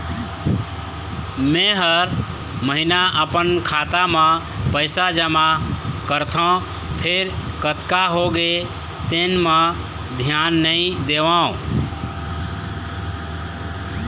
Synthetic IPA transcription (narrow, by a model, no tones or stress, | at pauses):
mẽɦəɾ | məɦinaʔəpənkʰat̪amã | pəɪsad͡ʒəmakəɾt̪ʰɔ̃ | pʰeɾkət̪kaɦoɡe | t̪enmã | d̪ʱjanːəĩd̪eʋãõ